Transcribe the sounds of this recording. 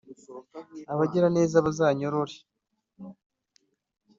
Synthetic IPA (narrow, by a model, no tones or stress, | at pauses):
aβaɟeɾane̞ːzaβazaːɲo̞ɾoɾe